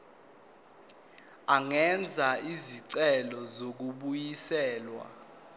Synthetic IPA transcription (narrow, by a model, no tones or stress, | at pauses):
aŋɛnd͡zʱaiziǀɛlɔzok̬uɓujisɛːlwa̰